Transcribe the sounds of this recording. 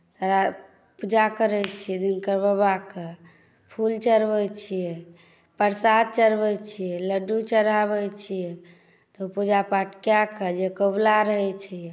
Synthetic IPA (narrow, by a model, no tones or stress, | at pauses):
t̪əɾa | pud͡ʒakəɾɛt͡ʃʰijɛd̪inkəɾbəbake | pʰult͡ʃəɾbɛt͡ʃʰijɛ | pəɾsad̪̚t͡ʃəɾbɛjt͡ʃʰijɛləɖut͡ʃəɾabɛt͡ʃʰijɛ | t̪ɔpud͡ʒapaʈkjakəd͡ʒekəblaɾəɦɛt͡ʃʰiɛ